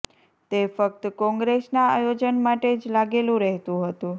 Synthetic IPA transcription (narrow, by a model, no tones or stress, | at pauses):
t̪efək̚t̪kɔ̃ŋɡɾesnaajod͡ʒənmaʈed͡ʒlaɡelũɾəɦt̪ũɦət̪ũ